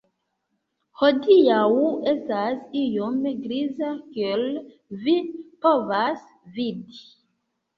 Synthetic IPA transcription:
hodiawestasijomɡɾizakel | vipovas | vidi

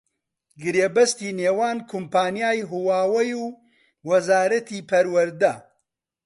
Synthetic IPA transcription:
ɡɨɾebɐst̪iːneːwaːnkʰumpaːnijaːjɦuwaːwɐjuː | wɐzaːɾɐt̪ʰiːpʰɐɾwɐɾd̪ɐ

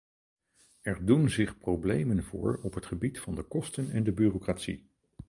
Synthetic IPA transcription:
ɛɹdunzɪχprowblejmənvʊ̰ːɹɔpɦətχəbitfɑndəkɔstənɛndəbyːrokratsḭ

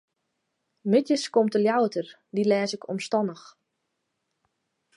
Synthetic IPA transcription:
mɪtjəskomtəljawətər | dilɛːsɪkʰɔ̰mstɔnəx

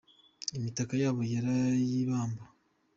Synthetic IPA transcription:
emitakajaβojaɾajiβaːmba

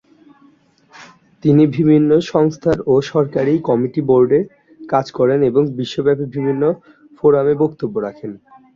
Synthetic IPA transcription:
t̪inibʱibʱinːoʃɔŋst̪ʰaɾoʃɔɾkaɾijkɔmiʈiboɾɖeɾ | kad͡ʑkɔɾeneboŋbiʃːobɛpebibʱinːo | foɾamebokt̪obːoɾakʰen

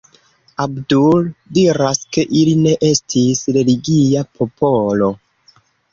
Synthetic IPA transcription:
abduldiɾaske̞ʔiline̞ʔe̞stʰisɾe̞liɡiapʰo̞pʰo̞lo̞

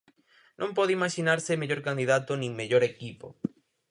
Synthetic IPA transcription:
nʔõmpoðeimaʃinaɾsemeʎoɾkand̪iðat̪onĩŋmeʎoɾekipo̰

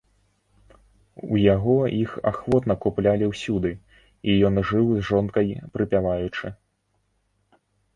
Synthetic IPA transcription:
ujaɣɔixa̰xvɔt̪nɐkuplʲalʲiwsʲud̪ɨ | ijɔnʐɨwzʐɔnkɐjpɾɨpʲavajut͡ʂɨ

